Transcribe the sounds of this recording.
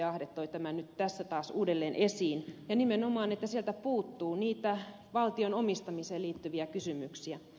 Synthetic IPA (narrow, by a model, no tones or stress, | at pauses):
ɑhdet̪ːoit̪æmænyt̪t̪æsːæt̪ɑːsuːdelːeːnʔesiːnjɑnimenomɑːnet̪ːæsielt̪æpuːt̪ːuːniːt̪æ | ʋɑlt̪ionomist̪ɑmiseːliːt̪ːyʋiækysymyksiæ